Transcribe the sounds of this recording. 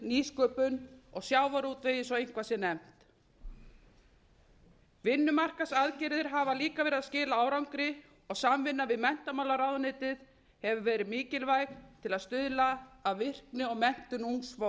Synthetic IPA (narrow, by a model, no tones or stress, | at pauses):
niːskœːpʏnɔɣsjaːwvaɾuːt̪vɪjɪsɔejŋ̥kʰvasɛnɛm̥t̪ | vɪnːʏmar̥kasaðcɪɾðɪɾ̥ɦavaliːkavɛːɾɪðascɪːlaaːwɾawŋkɾɪ | ɔɣsamvɪnːavɪðmɛn̥t̪amawlaɾawðnɪːt̪ɪð | hɛvʏvɛːɾɪmiːcɪlvajk̪t̪ʰɪlaðst̪ʏðlaːðvɪr̥knɪɔɣmɛn̥t̪ʏnuŋsvo